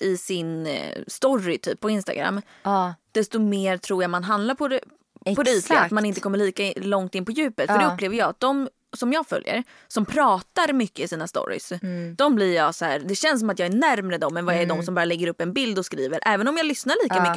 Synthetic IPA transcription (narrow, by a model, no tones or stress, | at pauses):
ɪsɪnst̪ɔɾɪt̪ʰy̰ːpʰːɔɪnst̪a̰ɡɾa̰mː | d̪̥ɛst̪ɔmeːɾt̪ʰɾuːɾjamanɦand̪laɾpʰɔd̪ɛ | pʰɔd̪ɛiːt̪lɪat̪manɪnt̪əkʰɔmːəɭiːkalɔŋt̪ɪnəpʰɔjʉ̟ːpət̪fœɖɛɵleːvəɾjɑːat̪̚d̪ɔm | sɔmjɑːɡfœ̰ljə̰ɾ | sɔmpʰɾɑːt̪aɾmʏkːəɪsiːnast̪ɔ̰ɾɪ̰sd̪̥ɔmblɪɾjɑːsɔhæ̰ːɾd̪ɛɕɛnsɔmat̪jɑːænæɾmɾɛd̪ɔmːɛnvaɛd̪ɔmsɔmbɑːɾalɛɡːəɾɵpːɛnbɪld̪ɔskɾiːvəɾʔɛːvənɔmjɑːlʏsnaɭiːkamʏːə